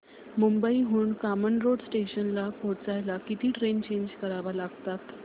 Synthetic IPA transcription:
mumbəiɦuːɳkamənɾoɽsʈeɕənlapot͡sajlakit̪iːʈɾent͡ɕeɲd͡ʑkəɾaʋalaɡt̪at̪

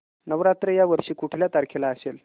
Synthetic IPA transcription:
nəʋɾat̪ɾəjaʋəɾʂiːkuʈʰljat̪aɾkʰelaəsel

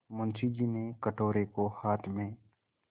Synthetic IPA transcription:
mʊ̃nsid͡ʒiːnekəʈoːɾekohaːt̪ʰmẽː

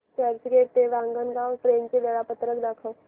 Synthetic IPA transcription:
kɛːɾt͡ʃɡeːt̪eʋãːŋɡənɡaːwpɾeːŋkeʋɛːɽapət̪ɾəkd̪akʰə

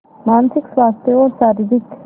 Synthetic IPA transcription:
mansʰikswast̪eoɾsaɾizik

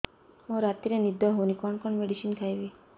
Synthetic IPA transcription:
mõɾat̪iɾenid̪ʱɔɦonikɔɳkɔɳmeɽiʃinkʰajʋi

